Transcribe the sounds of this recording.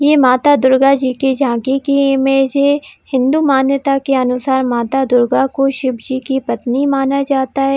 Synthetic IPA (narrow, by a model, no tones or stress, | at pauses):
jeːmaːt̪ad̪ʊɾɡad͡ʒiːkid͡ʒʱãːkekimẽːd͡ʒehɪ̃nd̪umaːnjət̪akeɐnʊsaːɾmaːt̪ad̪ʊɾɡakoʃɪbd͡ʒiːkipɐt̪nimaːnad͡ʒaːt̪aɦɛː